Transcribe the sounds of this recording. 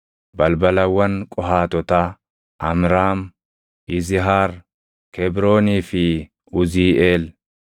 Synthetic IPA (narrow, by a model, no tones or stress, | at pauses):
bɐlbɐlɐwːɐŋkʼɔɦaːt̪ɔt̪aː | ʔɐmɾaːm | ɪzɪɦaːɾ | kɛbɾo̞ːniːfɪ | ʊziːʔeːl